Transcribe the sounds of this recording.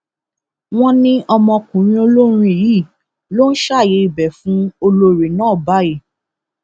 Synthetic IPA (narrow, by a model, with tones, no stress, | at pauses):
w̃ɔ̃˦nĩ˦ʔɔ˧mɔ̃˧kũ˨ɾ̃ĩ˧˦o˧lo˦ɾ̃ĩ˧e˨ji˦˨ | lo˦n̩˦ʃa˦˨je˨˦i˨bɛ˨fũ˨˦o˧lo˧ɾe˨nãː˦˨ba˨˦i˦˨